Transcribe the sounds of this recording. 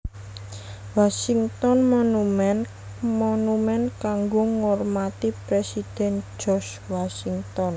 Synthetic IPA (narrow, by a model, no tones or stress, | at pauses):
wasiŋt̪ɔnmɔnumɛn | mɔnumɛnkaŋɡoŋɔrmat̪ipɾesid̪̥ɛ̤n̥d͡ʒ̥ɔs | wasiŋt̪ɔn